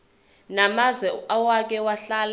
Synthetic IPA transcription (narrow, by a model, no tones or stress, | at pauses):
namazwɛawak̬ɛwaɬal